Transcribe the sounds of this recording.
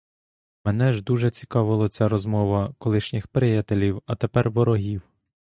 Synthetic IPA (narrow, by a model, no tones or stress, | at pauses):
menɛʒd̪uʒɛt͡sʲi̥kɑʋɪlˠɐt͡sʲaɾɔzmɔʋɐkɔlˠɪʃnʲɪxpɾɪjat̪elʲiwɐt̪epɛrʋɔɾɔɦʲiw